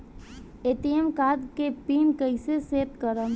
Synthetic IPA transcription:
eːt̪ijəmkaːd̪kepiːnkəiseseːt̪kəɾəm

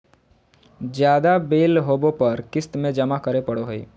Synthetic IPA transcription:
d͡ʒjaːd̪abeːlɦoːbopɐɾkɪst̪mẽd͡ʒɐmakəɾepəɽoɦoḛː

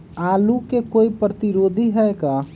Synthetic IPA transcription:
alukekoipɾət̪iɾod̪ʱiɦɛjka

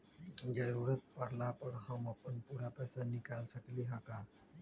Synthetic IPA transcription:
d͡ʒəɾuːɾət̪̚pəɽ̤lapəɾɦəməpənpuːɾapɛːsanɪkaːlsəkliɦaːkaː

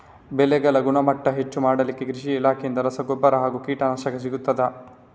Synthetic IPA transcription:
bɛlɛɡɐlɐɡunɐmɐʈːɐɦet͡ʃːumaːɽɐlikːekɾiʂiːlaːkʰejind̪ɐɾɐsɐɡobːɐɾɐɦaːɡukiːʈɐnɐʃɐkɐs̬iɡut̪ːɐd̪ɐ

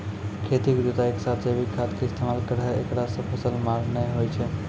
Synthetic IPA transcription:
kʰet̪ikd̪ut̪aeksat̪ʰsebʱikʰat̪keɪst̪ʰemalkəɾɦɛekɽasə̃pʰəsəlmaɾnəɦojt͡ʃʰɛ

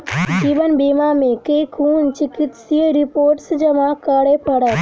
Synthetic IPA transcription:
d͡ʒiːʋənbiːmamẽkekʰuːnt͡ʃɪkɪt̪sieɾɪpoːɾʈsd͡ʒɐmakaːɽepʰəɽət̪

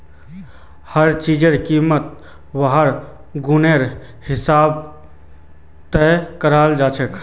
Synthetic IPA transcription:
həɾt͡ʃiːd͡ʒeɾkiːmət̪̚ | ʋəɦəɾ | ɡʊneɾ | hɪsaːb | t̪ɛkəɾaːld͡ʒaːt͡ʃʰekʰ

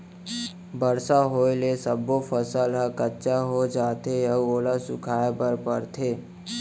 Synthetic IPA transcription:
bəɾsaɦoːelesəbofʰəsəlɦəkətːʃaɦod͡ʒaːt̪ejɐoːlasʊkʰaːebəɾpəɾt̪ʰeː

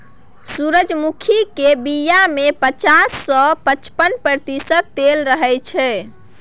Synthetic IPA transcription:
suɾəd͡ʒmukʰikebijamepət͡ʃasːɔpət͡ʃpənpɾət̪isət̪ːelɾəɦɛt͡ʃʰɛ

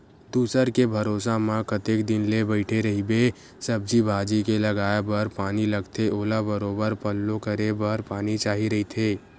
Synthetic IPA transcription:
d̪uːsəɾkebʱɐɾoːsamãkət̪eːkd̪ɪnlebəɪʈʰeɾɐɦibe | səb̚d͡ʒibʱaːd͡ʒikelɐɡaːjabəɾpaːniləɡt̪ʰeʔoːlabəɾoːbəɾpəlːõkəɾebəɾpaːnit͡ʃaːɦiɾɐɦit̪ʰeː

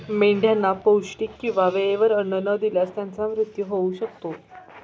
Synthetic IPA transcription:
meɳɖʱjanːapəwɕʈiːkːĩw̃ʋaʋeeʋəɾəɳənəd̪iljast̪jant͡samɾut̪juɦouɕək̚t̪o

